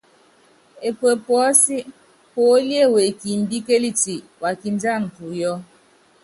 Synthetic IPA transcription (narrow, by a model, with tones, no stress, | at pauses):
e˨kwe˨pɔ˨ɔ˦si˦ | po˨˦li˦e˦˨we˨ki˨m̩˨bi˦ke˦li˦ti˨ | wʔa˨ki˨n˦d͡ʒa˦˨ŋ̩˨tu˨jɔ˦